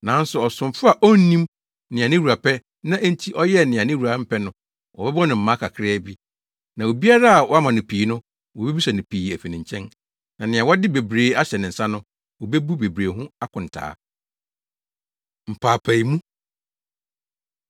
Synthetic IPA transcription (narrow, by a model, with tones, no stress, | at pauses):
nã˨˦n̩˦sʊ˨ɔ˨sʊ̃˨m˦fʊ˦a˨ʔɔ˦n˦nĩ˦m | nɪ̃˨a˨nɪ̃˦u˨a˨pʰɛ˦ | nã˦ʔe˦n̩˦tʰi˦ʔɔ˦jɛ˦nɪ̃˨a˨nɪ̃˦wu˨a˨˦m̩˦pʰɛ˦nʊ̃˦ | wɔ˨bɛ˦bɔ̃˦nɪ̃˨m̩˦mã˦kʰa˨kʰɾɛ˦˨bi˦ | nã˨o˨bi˦a˦ɾa˦a˨wɔ˦a˦mã˨nʊ̃˨pʰiː˨˦nʊ̃˦ | wɔ˨bɛ˦bi˦sa˨nʊ̃˨pʰiː˨æ˨fi˨nɪ̃˨ɲ˨t͡ɕʰɛ̃˦n | nã˨nɪ̃˨ã˨wɔ˦dɪ˦be˨bɾeː˨˦a˦ɕɛ˨nɪ̃˨n̩˨sã˦nʊ̃˦ | wɔ˨be˦bu˦be˨bɾeː˨ɦʊ̃˦a˦kʰʊ̃˨n̩˨tʰa̰ː˦ | m̩˨pʰaː˨pʰæ˨i˨mũ˦